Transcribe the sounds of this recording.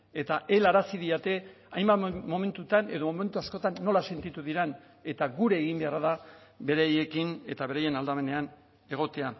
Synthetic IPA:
e̞t̪aʔe̞laɾasiðiat̪e̞ | ajmbamo̞me̞nt̪ut̪ane̞ðo̞mo̞me̞nt̪uasko̞t̪anːo̞lase̞nt̪it̪uðiɾen | e̞t̪aɣuɾe̞ːɣimbe̞araðabe̞ɾeje̞kine̞t̪aβe̞ɾaje̞nald̪ame̞ne̞an | e̞ɣ̞o̞t̪ea

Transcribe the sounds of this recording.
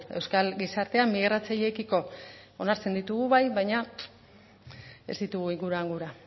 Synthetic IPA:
e̞wskalɡisaɾt̪e̞amːiɣrat͡saʎe̞kiko̞onaɾt͡se̞nd̪it̪uɣuβajβajɲa | e̞̰zd̪it̪uɣ̞uiŋɡuɾuaŋɡuɾa

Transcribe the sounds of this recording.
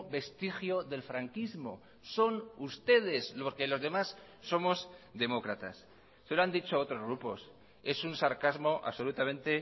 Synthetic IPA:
βe̞st̪ixjo̞ðe̞lfɾaŋkizmo̞̰ | so̞nust̪e̞ð̞e̞soɾkelo̞zðe̞masː | o̞mo̞zd̪e̞mokɾat̪a̰sː | eloand̪it͡ʃoot̪ɾo̞zɣɾupo̞̰s | e̞sunsaɾkazmo̞ʔa̰βso̞lut̪amẽ̞nt̪e̞

